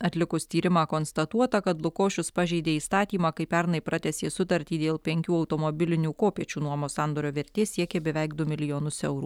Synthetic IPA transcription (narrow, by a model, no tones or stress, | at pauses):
ɐt̪ʲlʲɪkʊst̪ʲiːɾʲɪmɑːkoːnst̪ɐt̪uɔt̪ɐkɐt̪lˠʊkoːʃʲʊspɑʒʲɛɪd̪ʲeːiːst̪ɑːt̪ʲiːmɑːkɐɪpʲɛɾnɐɪpɾʔɑt̪ʲɛsʲeːsʊt̪ɐɾʲt̪ʲiːd̪ʲeːlˠpʲɛŋʲkʲuːɒʊt̪oːmobʲɪlʲɪnʲuːkoːpʲiɛt͡ʃʲuːnuɔmoːsɑˑnd̪oːɾʲoːʋʲɛɾʲt̪ʲeːsʲiɛkʲebʲɛʋʲɛɪkd̪ʊmʲɪlʲɪjoːnʊsɛʊɾuː